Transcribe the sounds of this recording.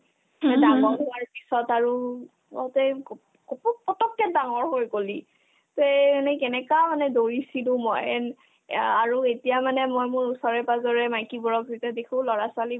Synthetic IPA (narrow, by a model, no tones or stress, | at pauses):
daŋɔnɦʊaɹpisɔtaɹu | ɔtɛ | kɔpɔpɔtɔkːɛdaŋɔɹɦojkoli | temanɛkɛnɛkamanɛdoɹisilʊ̃mɔjɛn | aɹuetijamanɛmojmʊɹusɔɹɛpazɔɹɛmajkibɔɹɔk̚zitɛdekʰʊ̃lɔɹasʊali